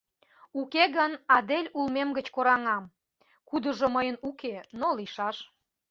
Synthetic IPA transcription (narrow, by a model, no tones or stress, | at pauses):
ukeɣənɑd̪elʲulmemɡət͡ɕkoɾɑŋɑm | kud̪ə̆ʒoməjənukenoliʃɑʃ